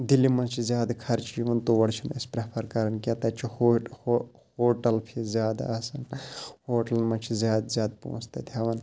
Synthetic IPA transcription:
d̪ilimɐt͡ʃʰizjaːd̪kʰɐɾt͡ʃʰiiʋɐnt̪oʋɐɽt͡ʃʰinispɾɐpʰɐɾkɐɾɐnkʲjat̪ɐt͡ʃʰihoho | hoːʈɐlpʰizʲjaːd̪a̰ɐsɐnhoːʈɐlmɐt͡ʃʰizʲjaːd̪zjaːd̪̚po̰ːst̪ɐt̪ʰjaːʋɐn

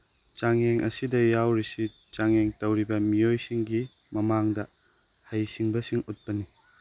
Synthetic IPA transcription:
t͡ʃaŋeŋʔɐ̰sidɐjawɾisi | t͡ʃaŋeŋtɐwɾibɐmijojsiŋɡi | mɐmaŋdɐ | hajsiŋbɐsiŋut̚pɐni

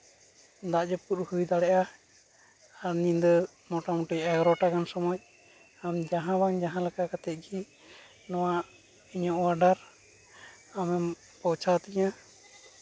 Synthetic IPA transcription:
d̪aʔd͡ʒɔpuɾhujd̪aɽɛʔa | aɾnind̪ɔ | mɔʈɔmuʈijɛɡɔɾɔʈakansɔmɔj̚ | amd͡ʒaɦãbaŋd͡ʒaɦãlakakat̪ɛt̪̚ˀɡi | nɔwaʔ | iɲɔʔwaɖaɾ | amɛm | pɔwt͡ʃʰat̪iɲa

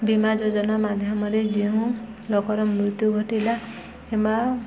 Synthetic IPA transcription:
bimad͡ʒod͡ʒɔnamad̪ʱjɔmɔɾed͡ʒiũ | lɔkɔɾɔmɾut̪juɡʱɔʈila | ema

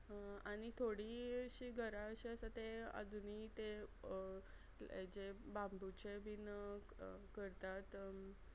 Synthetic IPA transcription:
aɽ̃it̪ʰoɽiɕiːɡʱəɾaəɕiəsat̪eə̰d͡zunit̪e | ḛd͡ʑebambut͡ɕebin | kəɾt̪at̪

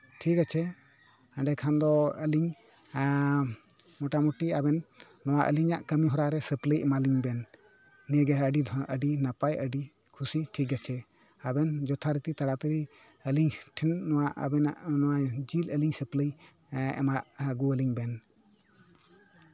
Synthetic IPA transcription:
ʈʰikat͡ʃʰɛ | aɳɖɛkʰand̪ɔəliŋ | mɔʈamɔʈiabɛnː | ɔwaʔə̰liɲaʔkəmiɦɔɾaɾɛsəpləjʔɛmaliŋbɛnː | iəɡɛɦəɖid̪ʱɔʔəɖinapajəɖi | kʰusiʈʰik̬at͡ʃʰɛ | abɛnd͡ʒɔt̪ʰaɾət̪it̪aɽat̪əɾi | əliŋʈʰɛnːɔwaʔbɛnʔnɔwad͡ʒiləliŋsəpləj | ɛ̰maʔɡuəliŋbɛn

